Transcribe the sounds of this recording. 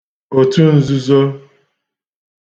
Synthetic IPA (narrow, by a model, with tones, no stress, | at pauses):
o˨tu˦n̩˦zu˦zo˦